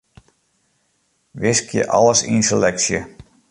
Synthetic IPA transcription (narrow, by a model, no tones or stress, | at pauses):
ʋɪskjə̰ʔɑ̰ləsḭnsəlɛksjə